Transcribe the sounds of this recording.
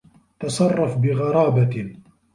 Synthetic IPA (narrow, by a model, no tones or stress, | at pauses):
t̪ɑsˤɑrˤːɑfbɪɣɑɾˤɑːba